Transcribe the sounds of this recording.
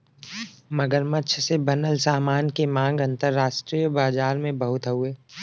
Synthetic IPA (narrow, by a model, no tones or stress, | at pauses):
mɐɡəɾmɐt͡ʃʰsebɐnəlsaːmaːnkemãːŋɡɐ̃nt̪əɾːaːʃʈɾijəbaːd͡ʒaːɾmẽbɐɦʊt̪ɦəɦʊeː